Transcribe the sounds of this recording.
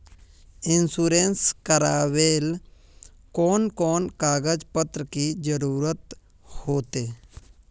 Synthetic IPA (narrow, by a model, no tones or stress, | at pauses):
ɪnsuːɾenskəɾaːʋeːl | koːnkoːnkaːɡəd͡ʒpət̪ɾəkid͡ʒəɾuːɾət̪ | hoːt̪eː